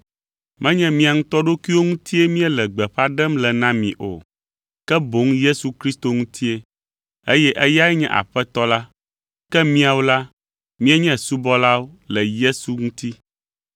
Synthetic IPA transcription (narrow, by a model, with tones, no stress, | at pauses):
mɛ̃˦ɲɛ̃˦mĩ˦a˨ŋũ˦t̪ɔ˦ɖo˦ki˦wo˦ŋũ˦t̪ʰi˦e˦mĩ˦ɛ˦lɛ˨ɡ͡bɛ˨ɸa˦ɖɛ˦mlɛ˨nã˦mĩ˨ʔo̰˨ | kɛ˦bo˨˦ŋje˦su˨kɾi˦st̪o˦ŋũ˦t̪ʰi˦e˦ | e˦jɛ˦ʔɛ˦ja˦ɛ˦ɲɛ̰̃˦ʔa̰˨ɸɛ˦t̪ɔ˦la˦ | kɛ˦mĩ˦a˨wo˦la˦ | mĩ˦ɛ˦ɲɛ̃˦su˦bɔ˦la˦wo˦lɛ˨je˦su˨ŋũ˦t̪i˦